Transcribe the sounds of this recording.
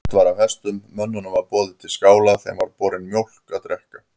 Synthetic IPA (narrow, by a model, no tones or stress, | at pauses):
t̪vaːɾawhɛst̪ʏmːœnːʏnavaɾpɔːðɪt̪ʰɪlskaːwlaθɛ̰mvaɾpɔːɾɪnmjowl̥kat̪ɾɛhka